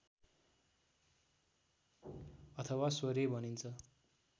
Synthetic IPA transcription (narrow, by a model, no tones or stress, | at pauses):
ʌt̪ʰʌwaswʌɾebʱʌnint͡sʰʌ